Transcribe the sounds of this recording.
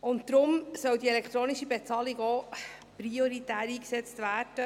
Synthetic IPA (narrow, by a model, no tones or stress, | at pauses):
ʊntd̪ɾʊmsœwdielɛkt̪ɾoːniʃibet͡sɑːliɡoː | pɾioɾitæːɾiːksɛt͡stvæːɾd̥ə